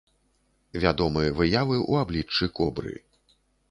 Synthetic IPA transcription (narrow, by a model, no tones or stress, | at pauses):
vʲad̪ɔmɨjɐvɨjavɨʔuablʲit͡ʂːɨkɔbɾɨ̰